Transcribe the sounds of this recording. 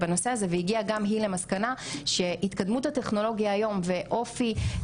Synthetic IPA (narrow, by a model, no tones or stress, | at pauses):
beno̞se̞aze̞veiɡiaɡamɦile̞maskanaʃe̞hit̪kad̪muthat̪e̞χno̞lo̞ɡjaːjo̞mve̞ʔo̞fi